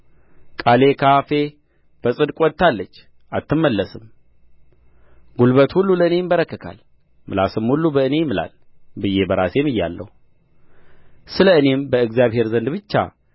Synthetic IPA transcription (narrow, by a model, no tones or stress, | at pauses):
kʼale̞kʰafe̞ | b̥əsʼɨd̪kʼwɔd̪̚t̪ʰːalːət͡ʃː | ʔat̪ːɨmːəlːəsɨm | ɡulbət̪hulːuləɨne̞jɪmbəɾəkːəkʰa̰l | mɨlasɨmhulːubəɨne̞jmːɨla̰lbɨjːe̞bəɾasemɨjːa̰lːə̰hu | sɨləɨne̞mbəɨɡzijaβhe̞ɾzənd̪bɨt͡ʃːa̰